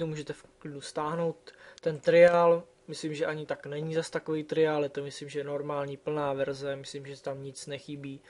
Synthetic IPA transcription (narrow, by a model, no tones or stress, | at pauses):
t̪omuːʒɛt̪ɛfklɪdust̪aːɦno̞wt̪ːɛnt̪ɾɪal | mɪslimʒɛʔaɲɪt̪aknɛɲizast̪akovijt̪ɾɪalɪt̪amɪslimʒɛjɛno̞ɾmaːlɲiːpl̩naːvɛɾzɛmɪslimʒɛt̪amɲɪt͡snɛxɪbiː